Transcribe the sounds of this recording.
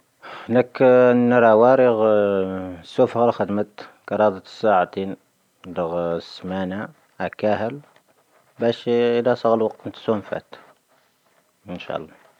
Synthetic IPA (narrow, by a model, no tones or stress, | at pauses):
hnæknːəɾˤɑwɑɾəɣ | sːufhɑɾˤxəd̪mət̪kɑɾˤɑd̪ət̪ə̥sːaʕat̪in | d̪əɣsmæna | ʔækæhəl | bæʃəlæsˤɑɣəlwɑq̚t̪nt̪sumfæ̰t̪ | ənʃɑ̰lˤːɑ